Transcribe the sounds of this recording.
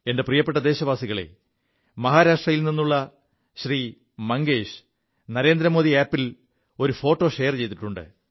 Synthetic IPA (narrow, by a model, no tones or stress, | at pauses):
e̞nde̞prijɐpːe̞ʈ̬ːɐd̪e̞ːɕɐʋaːsiɣɐɭe̞̰ | mɐɦaːɾaːʂʈrɐjilninːuɭːɐ | ɕriː | mɐŋɡeːɕ | nɐɾe̞ːnd̪ɾɐmo̞ːðiaːpːil | o̞ɾufo̞ːʈːo̞ːɕe̞ːrt͡ɕe̞jt̪ːiʈːuɳɖɨ̰